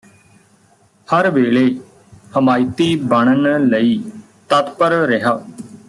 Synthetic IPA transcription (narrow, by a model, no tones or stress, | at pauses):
həɾʋeːɭeː | həmaːit̪iːbəɳ̃ənləiː | t̪ət̪pəɾɾɪɦaː